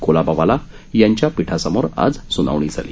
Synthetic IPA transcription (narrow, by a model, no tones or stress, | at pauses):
kolabaʋala | jaɲt͡ɕjapiʈʰasəmoɾa̰d͡zsuna̰ʋɳ̃iːd͡zʱa̰lḭ